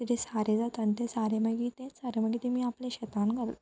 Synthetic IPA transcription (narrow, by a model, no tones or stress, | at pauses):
t̪it̪ʰesaɾed͡zat̪ənt̪esaɾeməɡiːt̪ẽsaɾeməɡit̪emiːaplẽɕɛt̪anɡəɾl